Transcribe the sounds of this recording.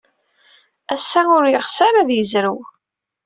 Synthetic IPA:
æsːæʊɾjəʁsəɾæðjəzɾəw

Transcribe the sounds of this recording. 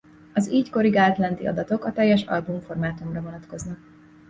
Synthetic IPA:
ɒziːcko̞ɾiɡaːlt̪lɛnd̪iɒ̰d̪ɒt̪o̞kɒt̪ɛjːɛʃɒ̰lbumfo̞rmaːt̪umrɒvo̞nɒt̪ko̞znɒk̚

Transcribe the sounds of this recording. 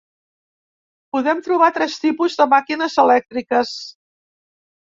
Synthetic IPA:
puðɛmt̪ɾuβ̞at̪ɾɛst̪ipuzðəmakinəzəlɛk̚t̪ɾikəs

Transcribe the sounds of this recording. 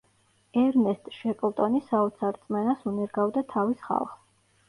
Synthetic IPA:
ɛɾnɛst̪ʼʃɛpʼlˠt̪ʼɔnisaɔt̪sʰaɾt̪sʼmɛnasunɛɾɡavd̪at̪ʰavisχa̰lˠχ

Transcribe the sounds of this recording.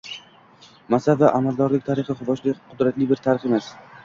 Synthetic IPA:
masad̪vaʔamald̪ɒɾlɪk̚ʲt̪ʰaɾɪχɪχʊbɒʃlɪqʰʊd̪ɾat̪lɪbɪɾt̪ʰaɾɪχe̞mas

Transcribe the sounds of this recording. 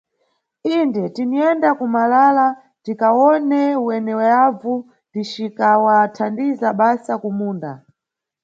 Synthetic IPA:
indɛtiniɛndakumalaːla | tikawɔnɛwɛnɛwɛavu | dit͡ʃikawatʰandizaɓasakumuːnda̰

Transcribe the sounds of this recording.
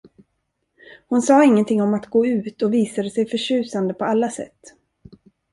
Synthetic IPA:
hʊnsɑːɪŋːənt̪ʰɪŋːɔmat̪ɡoːʉ̟ːt̪ɔviːsad̪əsɛjfœʂʉ̟ːsand̪əpʰɔalːasɛ̰t̪ː

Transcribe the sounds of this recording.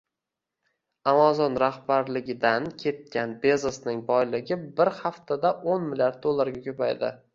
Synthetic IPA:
amazɒnɾahbaɾlɪɡʲɪd̪ankʲʰe̞t̪̚kʲanbezɪsnɪŋbɒjlɪɡʲɪbɪɾhaft̪ʰad̪aʔonmɪlʲjaɾd̪̚d̪olˠːaɾɡʲakʲʰɵpajd̪ɪ̰

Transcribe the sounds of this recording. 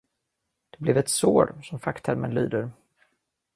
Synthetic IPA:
d̪̥ɛblɛvɛt̪soːɾsɔmfakt̪ʰæɾmə̰nly̰ːd̪əɾ

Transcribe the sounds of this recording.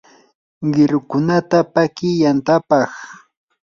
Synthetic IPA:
ɢɪɾʊkʊnat̪apakɪjant̪apɑχ

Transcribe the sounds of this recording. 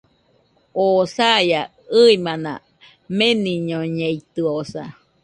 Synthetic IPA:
osaja | ɯimanã̰ | meniɲoɲeit̪ɯosa̰

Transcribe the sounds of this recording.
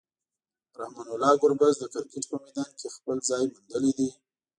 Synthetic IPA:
ɾahmɑnʊlɑɡʊɾbazd̪əkɪɾkeʈpəmid̪ɑnkʰexpəlzɑjmʊnd̪əlid̪i

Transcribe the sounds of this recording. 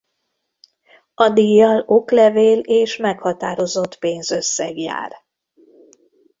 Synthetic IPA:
ɒd̪ijɒloklɛveːleːʃmɛkhɒt̪aːɾo̞zo̞t̪peːnzø̞sːɛɡja̰ːr

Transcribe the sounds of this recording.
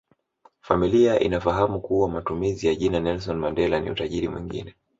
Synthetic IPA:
familiaʔḭnafaɦamukuwamatumizijaʄinanɛls̬ɔnmandɛlanḭutaʄiɾimwḭŋɡḭnɛ

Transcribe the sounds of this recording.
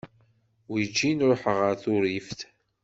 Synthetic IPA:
wid͡ʒːinɾoħəʁəɾθʊɾifθ

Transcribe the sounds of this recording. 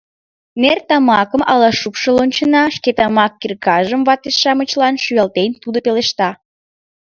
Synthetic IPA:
nert̪ɑmɑkəmʔɑlɑʃupʃəlonʲt͡ɕənɑʃket̪ɑmɑkːirkɑʒəmvɑt̪esʃɑmət͡ɕlɑnʃyɑlt̪ent̪ud̪opeleʃt̪ɑ

